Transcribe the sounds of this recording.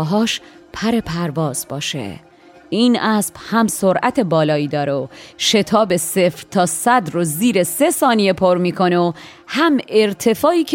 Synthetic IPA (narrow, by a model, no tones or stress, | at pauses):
ɦɒːʃpʰæɾe̞pʰæɾvɒːz̥bɒːʃḛ | iːnʔæːsb̥hæmsoɾʔæt̪ʰe̞bɒːlɒːiːd̪ɒːɾeoʃe̞t̪ʰɒːbe̞sefɾt̪ʰɒːsæd̪ɾoziːɾese̞sɒːnijepʰoɾmiːkʰo̞neo | hæme̞ɾt̪ʰe̞fɒːiːcʰ